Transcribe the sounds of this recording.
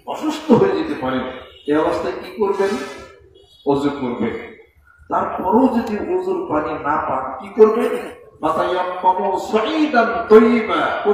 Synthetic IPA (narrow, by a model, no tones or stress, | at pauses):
ɔʃust̪oɦojed͡ʑet̪epaɾineɔbost̪ʰajkikoɾben | ozuɡkoɾbḛn | t̪aɾpɔɾowd͡ʒod̪iɦozuɾpaninapa̰nkikoɾbenmat̪ajɔmːɔmɔsɔʔiːd̪ant̪ɔjibako